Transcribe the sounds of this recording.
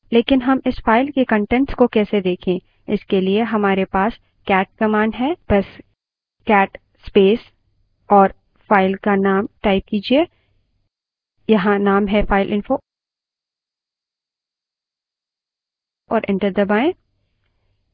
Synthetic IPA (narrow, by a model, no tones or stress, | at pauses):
leːkɪnɦɐmɪsfaːɪlkekə̃ɳʈɛ̃ɳʈskokɛːsed̪eːkʰẽː | ɪskelieɦɐmaːɾepaːs | kɛːʈ̚kɐmaːɳɖɦɛːb̥ɐs | kɛːʈ | speːs | ɔːɾ | faːɪlkanaːmʈaːɪp̚kiːd͡ʒieː | jɐɦãnaːmɦɛfaːɪlʔɪ̃nfo | ɔ̰ːɾʔɛ̰̃ɳʈəɾd̪əbaːẽː